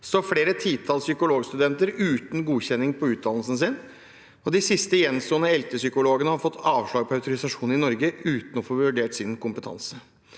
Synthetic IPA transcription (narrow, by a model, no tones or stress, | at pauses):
sɔfɽeːɾət̪ʰiːt̪ʰɑlsʏkʊloːɡst̪ʉd̪ɛnt̪əɾʉːt̪n̩ɡuːçɛnːɪŋpʰɔʉːt̪̚d̪ɑnlsn̩s̬ɪn | ɔd̪ɪsɪst̪əjɛnst̪oːənəɛlt̪əsʏkʊloːɡənəhɑɾfɔt̪ʰːɑːʋʂɭɑːɡ̚pʰɔɑʉt̪ʊɾɪsɑʂuːnɪnɔɾɡəʉːt̪n̩ɔfoːʋʉɖeːʈsɪnkʊmpət̪ʰɑ̰nsə